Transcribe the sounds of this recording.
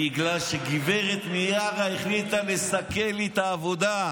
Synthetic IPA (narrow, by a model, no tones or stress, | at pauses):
iɡlalʃeɡiveʁet̪mijaʁaeχlit̪alesake̞let̪aːvo̞d̪a